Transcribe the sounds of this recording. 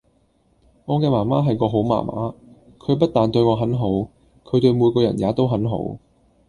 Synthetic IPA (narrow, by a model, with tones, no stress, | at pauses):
ŋɔː˨˧kɛː˧maː˨˩maː˥ɦɐ˨jkɔː˧ɦo˨˥wma̰ː˨˩mʔa̰ː˨˥ | kʰɵ˨˧ɥp̬ɐ˥t̚t̪aː˨nt̪ɵ˧ɥŋɔː˨˧ɦɐ˨˥nɦo˨˥w | kʰɵ˨˧t̪ɵ˧ɥmuː˨˧jkɔː˧jɐ̰˨˩njaː˨˧t̪o˥wɦɐ˨˥nɦo̰˨˥w